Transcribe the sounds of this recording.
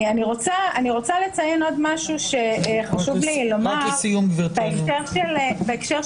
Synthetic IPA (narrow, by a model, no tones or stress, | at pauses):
aniʁo̞t͡saaniʁo̞t͡sale̞t͡sajeno̞dmaʃuʃe̞χaʃuvlilo̞maaʁesijumɡviʁbbeekʃeʁʃelbeekʃeʁ